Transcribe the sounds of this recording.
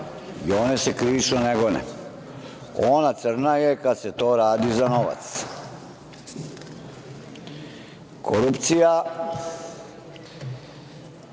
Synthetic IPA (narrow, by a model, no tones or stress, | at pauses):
ioːnesekɾiisuneɡonɛ̰ | onat̪sr̩najekad̪set̪oːɾaːd̪izanoʋa̰t̪s | kʰoɾupt̪sija